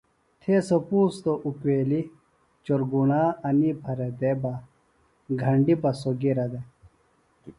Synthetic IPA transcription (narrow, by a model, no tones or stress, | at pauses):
t̪ʰesopuːst̪oʔukweːli | t͡ɕoɾɡunaːɐnibʰʱɐɾed̪eba | ɡʱɐɳɖibɐsoɡiɾɐd̪e